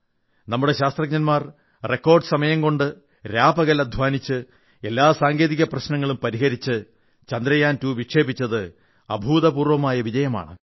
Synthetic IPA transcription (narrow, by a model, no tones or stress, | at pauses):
nɐmːuɽe̞ɕaːst̪rɐɡ̚ɲɐnmaːr | re̞kːo̞ːrɖɨsɐmɐjɐmko̞ɳɖɨ | ɾaːbɐɣɐlɐd̪ʱʋaːnit͡ɕːɨ | e̞lːaːsaːŋɡeːðiɣɐprɐɕnɐŋːɐɭumpɐɾiɦɐɾit͡ɕːɨ | t͡ɕɐnd̪ɾɐjaːntuːʋikʂe̞ːbit͡ɕːɐðɨ | ɐ̰bʱuːðɐpuːrʋɐmaːjɐʋid͡ʑɐjɐma̰ːɳɨ̰